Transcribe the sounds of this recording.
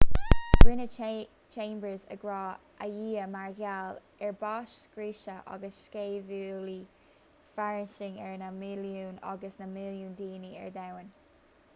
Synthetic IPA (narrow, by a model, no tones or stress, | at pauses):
ɡ̥ɹɪnə | t͡ʃʰẽːmbəzə̰ɡɹɑː | ʔə̰jiːəmaɹɡal | ɛɹbɑʃɡ̥ɹiːʃəʔɑ̰ɡəsʃkeːvuːli | faɹɪsɪŋɛɹnəmɪljuːnɔ̰ɡəsnəmɪljuːnd̪iːniɛ̰ɹd̪awən